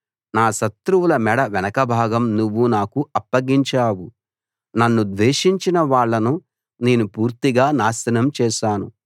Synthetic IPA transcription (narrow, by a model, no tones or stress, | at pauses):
naːʃɐt̪ɾuwulɐmɛɽɐʋɛnɐkɐbʱaːɡɐmnuʋːunaːkuɐpːɐɡiɲt͡ʃaːwu | nɐnːud̪ʋeːʂiɲt͡ʃinɐʋaːɭːɐnu | ne̞ːnupuːɾt̪iɡaːnaːsɐnɐmt͡ʃɛːʃaːnṵ